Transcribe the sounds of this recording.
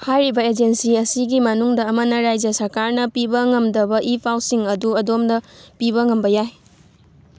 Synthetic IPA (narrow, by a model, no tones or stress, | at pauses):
hajɾibɐed͡ʒensiɐsiɡimɐnuŋdɐːmɐnɐɾajd͡ʒɐsɐɾkaɾnɐpibɐŋɐmdɐbɐʔipʰawsiŋɐduɐdomdɐpiβɐŋɐmbɐjaj